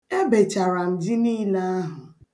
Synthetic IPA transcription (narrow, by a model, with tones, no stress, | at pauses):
e˦be˨t͡ʃa˨ɾa˨n̩˨dɪ˦niː˦la˦a˦ɦʊ˨